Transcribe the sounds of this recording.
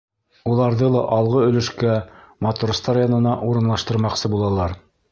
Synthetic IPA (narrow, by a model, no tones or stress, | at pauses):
ulˠɑɾðɤlˠɑʔɑlˠʁɤɵ̆lɘ̆ʃkæmɑt̪urst̪ɑɾjɑnɤ̆nɑʔuɾɤ̆nlˠɑʃt̪ɤ̆ɾmɑqsɤbulˠɑlˠɑɾ